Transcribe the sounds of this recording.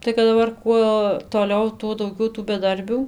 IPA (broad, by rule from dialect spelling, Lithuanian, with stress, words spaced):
tɐɪ kɐt dɐˈbɐr ˈkuɔ toːˈlʲɛʊ ˈtuɔ dɐʊˈɡʲɛʊ tuː bʲɛˈdɐrʲbʲuː